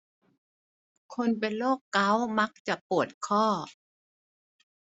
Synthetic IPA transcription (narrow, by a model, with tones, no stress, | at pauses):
kʰo˧np̬e˧nloː˥˩kːa˦˥wma˦˥k̚t͡ɕa˨˩pu˨˩ət̪̚kʰɔː˥˩